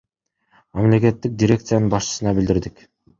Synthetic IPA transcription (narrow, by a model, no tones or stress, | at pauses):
mɑmle̞ke̞t̪ːik̚dʲɪɾʲe̞kt̪sɨjanɯnbɑʃt͡ʃɯ̥sɯnɑbild̪iɾd̪ik